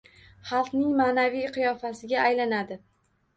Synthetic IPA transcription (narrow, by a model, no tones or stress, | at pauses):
χɑlˠqnɪŋmanavijqʰɨjɒfasɪɡʲaːjlanad̪ɪ